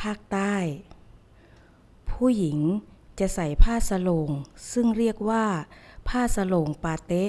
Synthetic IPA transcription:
pʰaː˥˩k̚t̪aː˥˩j | pʰuː˥˩ji˩˦ŋt͡ɕa˧˩ʔsa˨˩jpʰaː˥˩sa˧loː˧ŋsɯ˥˩ŋɾi˥˩ək̚waː˥˩pʰaː˥˩sa˧loː˧ŋpaː˧t̪e˦˥

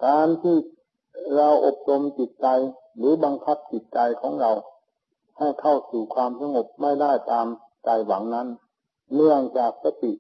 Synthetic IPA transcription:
kaː˧nt̪ʰiː˧˩ | ɾa˧wʔo˨˩p̚to˧mt͡ɕi˨˩t̪̚t͡ɕa˧j | lɯː˨˦ba˧ŋkʰa˦˥˩p̚t͡ɕi˨˩t̪̚t͡ɕa˧jkʰɔː˩˦ŋɾa˧w | ha˧˩jkʰa˥˩wsuː˨˩kʰwaː˧msa˧ŋo˨˩p̚ma˥˩jlaː˧˥˩jt̪aː˧m | t͡ɕa˨˧˩jwa˨˩˦ŋna˧˥˨nː | ɯ˥˩əŋt͡ɕaː˨˩k̚sa˧t̪i˨˩ʔ

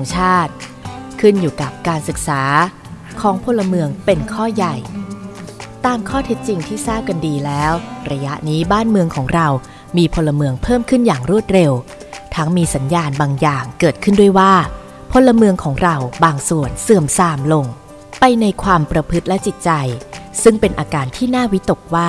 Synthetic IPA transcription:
ŋt͡ɕʰaː˥˩t̪̚kʰɯ˥˩njuː˨˩ka˨˩p̚kaː˧nsɯ˨˩k̚saː˩˦ | kʰɔː˩˦ŋpʰo˧lːa˧mɯ˧əŋpe˧nkʰɔː˥˩ja˨˩j | t̪aː˧mkʰɔː˥˩t̪ʰe˦˥t̪̚t͡ɕi˧ŋt̪ʰiː˥˩saː˥˩p̚ka˧ndiː˧lɛː˦˥wɾa˧ja˦˥ʔniː˦˥baː˥˩nmɯ˧əŋkʰɔː˩˦ŋɾa˧w | miː˧pʰo˧lːa˧mɯ˧əŋpʰɤː˥˩mkʰɯ˥˩njaː˨˩ŋɾu˥˩ət̪̚ɾe˧w | t̪ʰa˦˥ŋmiː˧sa˩˦njaː˧nbaː˧ŋjaː˨˩ŋkɤː˨˩t̪̚kʰɯ˥˩ndu˥əjwaː˥˩ | pʰo˧lːa˧mɯ˧əŋkʰɔː˩˦ŋɾa˧wbaː˧ŋsu˨˩ənsɯ˨˩əmsaː˧mlo˧ŋ | pa˧jna˧jkʰwaː˧mpɾa˧pʰɯ˦˥t̪̚lɛ˦˥t͡ɕi˨˩t̪̚t͡ɕa˧jsɯ˥˩ŋpe˧nʔaː˧kaː˧nt̪ʰiː˥˩naː˥˩wi˦˥t̪o˨˩k̚waː˥˩

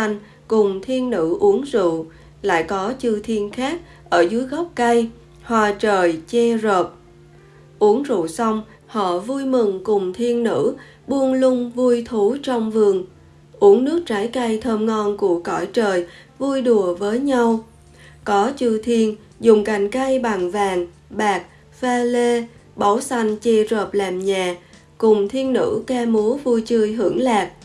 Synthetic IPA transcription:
a˧ŋ | kʊ˨˩ŋ͡mt̪ʰi˧ənːɨ̰˧˥ʔu˨˦ənzṵ˧˨ | la̰ː˧˨jkɔ˨˦t͡ɕɨ˧t̪ʰi˧ənxaː˦˥k̚ | ʔəː˧˩zɨ˨˦əjɣɔ˦˥wp̚kə˧j | hwaː˨˩t͡ɕəː˨˩jt͡ɕɛ˧zoː˨˩p̚ | ʔu˨˦əŋzṵ˧˨sa˧wŋ͡m | hɔ̰˧˨vu˧jmɨ˨˩ŋkʊ˨˩ŋ͡mt̪ʰi˧ənːɨ̰˧˥ | ɓu˧ənlʊ˧ŋ͡mvu˧jt̪ʰu˨˦t͡ɕɔ˧wŋ͡mvɨ˨˩əŋ | ʔu˨˦əŋnɨ˦˥ək̚t͡ɕaː˨˦jka˧jt̪ʰəː˧mŋɔ˧nku˧˩əkɔ˧˩jt͡ɕəː˨˩j | vu˧jɗu˨˩əvəː˨˦jɲa˧w | kɔ˨˦t͡ɕɨ˧t̪ʰi˧ən | zʊ˨˩ŋ͡mka˨˩jŋ̟ka˧jɓa˨˩ŋvaː˨˩ŋ | ɓaː˨˩k̚ | faː˧le˧ɓa˨˦wsa˧jŋ̟t͡ɕe˧zəː˨˩p̚laː˨˩mɲaː˨˩ | kʊ˨˩ŋ͡mt̪ʰi˧ənːɨ̰˧˥kaː˧mu˨˦vu˧jt͡ɕɨ˧əjɦɨ˧˩əŋlaː˨˩k̚

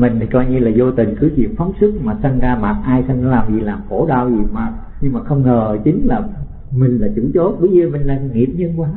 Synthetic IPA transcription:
mï˨˩ŋ̟ʰ˨˩kɔ˧jɲɨ˧laː˨˩zo˧t̪ï˨˩ŋ̟kɨ˨˦t͡ɕwḭ˨˩əp̚fa˨˦wŋ͡msɨ˦˥k̚maː˨˩sə˧ŋzaː˧maː˨˩t̚ʔaː˧jsə˧ŋ˧laː˨˩mzi˨˩laː˨˩mxo˧˩ɗaː˧wzi˨˩maː˨˩t̚ | ɲɨ˧ŋmaː˨˩xə˧wŋ͡mŋəː˨˩t͡ɕï˨˦ŋ̟laː˨˩ | mï˨˩ŋ̟laː˨˩t͡ɕɨ̰˧˩˦t͡ɕo˨˦˥t̚ɓə˨˦zə˨˧˩mï˨˩ŋ̟la˧˩nŋi˨˩əp̚ɲə˧nkwaː˨˦

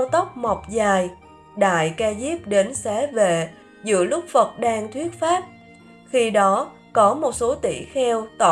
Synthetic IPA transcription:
wt̪ə˦˥wk͡p̚ma˨˩wk͡p̚zaː˨˩j | ɗa̰ː˧˨jkaː˧zi˦˥p̚ɗe˨˦nsɛ˨˦ve˨˩ | zɨ̰˧˨əlʊ˦˥k͡p̚fə˨˩t̚ɗaː˧ŋt̪ʰwi˦˥ət̚faː˦˥p̚ | xi˧ɗɔ˨˦ | kɔ˨˦mo˨˩t̚so˨˦t̪ḭ˧˩xɛ˧wt̪a˧˨

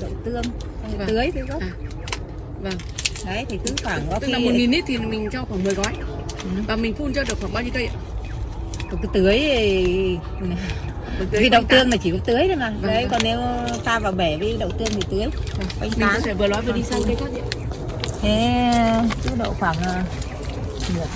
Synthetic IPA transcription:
ɗə̰˧˨wt̪ɨ˧əŋ˧˨ | t̪ɨ˨˦əjt̪ɨ˨˦kə˦˥˨ | və˨˩ŋə˨˦jt̪ʰi˨˩kɨ˨˦xwaː˧˩ŋkɔ˨˧˦i˧lːmo˨˩tŋi˨˩ni˦˥t̪ʰi˨˩˨mï˨˩ŋt͡ɕɔ˧xwaː˧˩ŋmɨː˨˩jɣɔ˨˦j | vaː˨˩mï˨˩ŋ̟fu˧nt͡ɕɔ˧ɗɨ˨˩ək̚xwaː˧˩ŋɓaː˧ɲi˧kə˧j | kɔ˨˩kɨ˨˦t̪ɨ˨˦əj | vi˧˦ɗə˧˨w̪ɨ˧əŋlaː˨˩t͡ɕi˧˩kɔ˨˦t̪ɨ˨˦əjɗə˨˦jmaː˨˩˨jkɔ˨˩nːe˨˧˦wt̪aː˧vaː˨˩wɓɛ˧˩vi˧˦ɗə̰˧˨wt̪ɨ˧əŋt̪ʰi˨˩t̪ɨ˨˦əjkjŋmi˨a˩˧kʊ˧˦ŋ͡mfɛ˧˩vəlwaː˨˦jvɨ˨˩ə˩ɗi˧sa˧wʰe˨˦kɔ˨˦zḭ˧˨ | e˨˧˦ | kɨ˨˦ɗə̰˧˨wxwaː˧˩ŋaː˨˩ | ɨ˨˩ə

